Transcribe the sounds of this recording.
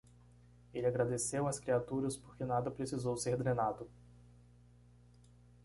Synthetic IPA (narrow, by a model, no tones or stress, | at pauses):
elɪaɡɾad̪esewɐskɾiat̪uɾɐspoɾkɪnad̪ɐpɾesizowseɾd̪ɾenad̪ʊ